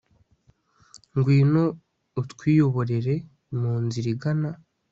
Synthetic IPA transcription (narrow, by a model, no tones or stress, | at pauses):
ŋɡwiːno̞ | utkwiːjo̞βo̞ɾeɾe̞ | muːnziɾiɡana